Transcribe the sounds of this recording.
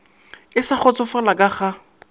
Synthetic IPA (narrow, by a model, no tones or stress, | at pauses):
ɪsaχɔt͡sɔfalakʼaχa